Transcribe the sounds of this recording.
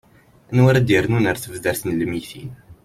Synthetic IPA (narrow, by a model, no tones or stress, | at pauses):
ænwaɾæd̪əɾnunəɾθəvðəɾθənləmiθin